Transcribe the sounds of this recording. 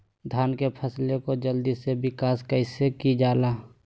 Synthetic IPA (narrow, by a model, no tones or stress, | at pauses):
d̪ʱaːnkepʰəslekod͡ʒəld̪isebɪkaːskəɪsekid͡ʒaːlaː